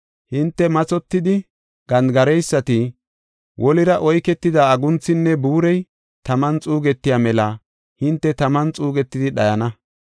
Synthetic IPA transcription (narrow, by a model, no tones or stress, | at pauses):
hɪnt̪ːɛmɐt͡sɔt̪ːɪd̪ɪ | ɡ̥ɐnd̪ɡɐɾɛjsːɐt̪ɪ | wʔɔlɪɾɐʔɔjkɛt̪ːɪd̪aɐɡʊnt͡sːɪnːɛbuːɾɛj | t̪ɐmɐnt͡sʼuːɡɛt̪ːɪjaːmɛlɐ | hɪnt̪ːɛt̪ɐmɐnt͡sʼuːɡɛt̪ːɪd̪ɪɗɐjɐnɐ